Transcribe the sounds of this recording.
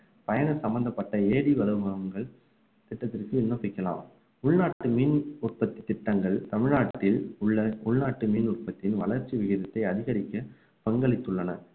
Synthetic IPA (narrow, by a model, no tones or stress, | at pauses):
pɐjɐnɐsɐmbɐnd̪ɐpːɐʈːɐeːɽiʋɐlɐʋɯmɐɐŋɡɐɭ | t̪ɪʈːɐt̪ːɪrkɯɪnːɐpɐɪkːɐla̰ːm | ʊɭnaːʈːɯmiːnʊrpɐt̪ːɪt̪ːɪʈːɐŋɡɐɭt̪ɐmɪɻnaːʈːɪlʊɭːɐʊɭnaːʈːɯmiːnʊrpɐt̪ːɪnʋɐ̰lɐɾt͡ʃːiʋɪɣɪðɐt̪ːɐɪɐðɪɣɐɾɪkːɐ | pɐŋɡɐɭɪt̪ːɯɭːɐnɐ